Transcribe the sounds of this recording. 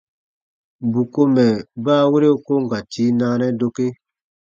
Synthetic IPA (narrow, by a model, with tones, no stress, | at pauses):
bu˨ko˦mɛ˨baː˦˨we˦ɾe˦u˦ko˦ŋ˨ɡa˨tʰi˨˦naː˦nɛ˦do˦ke˦